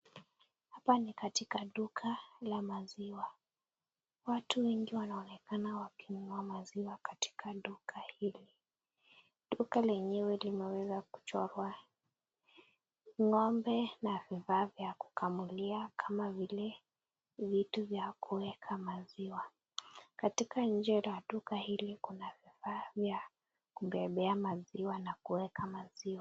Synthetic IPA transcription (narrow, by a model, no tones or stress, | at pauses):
hapanikatikaɗukʰalamaziwa | watuwɛŋɡiwanaɔnɛkanawakimuamaziwakati̥kʰaɗukʰahili | ɗukalɛɲɛwɛlimɛwɛzaku̥t͡ʃɔɾwa | ŋɔmbɛnavifaːvjaku̥kʰamuliakʰamavilɛ | vituvjakʰuwɛkʰamaziwa | katikaɲ̩d͡ʒɛlaɗukahilikunavifavja | kuɓɛɓɛamaziwanakuwɛkamaziwa